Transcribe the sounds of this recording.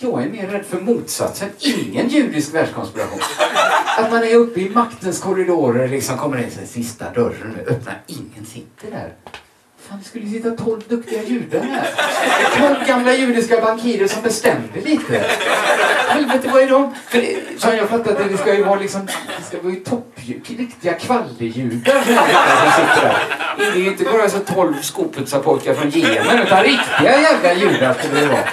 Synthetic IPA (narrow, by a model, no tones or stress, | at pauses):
jɑːɡɛɾmeːɾːɛd̪ːfœɾmuːt̪sa̰t̪sənɪŋːənjʉ̟ːd̪ɪskvæːɖʂkʰɔnspɪɾa̰ɧṵːnat̪manɛɾɵpːəɪmakt̪ənskʰɔɾɪd̪oːɾəɾlɪksɔmkʰɔmːəɾɪnsɛ̰sɪst̪a̰d̪œɾːə̰nʉ̰ːʔœpna̰ɾɪŋːənsɪt̪ʰəlhæ̰ːɾ | faːnvɪskɵlːəjɵsɪt̪ːat̪ʰɔlvd̪ɵkt̪ɪɡajʉ̟ːɖ̪ənhæ̰ɾt̪ʰɔlvɡamlajʉ̟ːd̪ɪskabaŋkʰiːɾəɾʂɔmbɛst̪ɛmd̪əliːt̪ʰəɛ̰ɾ | hɛlvt̪əvaɛd̪ɔmfœɖɛsɔmjɑːɡfat̪ːaɾat̪̚ɛd̪ɛskajɵvɑːlɪksɔmd̪ɛskavɑːjɵt̪ʰɔpːjʉɾɪkt̪ɪɡakʰvalːəjʉ̟ːd̪aɾsɔmɛɪt̪ːasɔmsɪt̪ːəɾæ̰ɾɛd̪ɛjʏɪnt̪əbɑːɾas̬ɛt̪ʰɔlvskuːpʰɵd̪sapʰɔʏkaɾfɾɔnjeːmənʉ̟ːt̪anɾɪkt̪ɪɡajɛɡlajʉ̟ːɖ̪aɾskɵlɛjɑ̰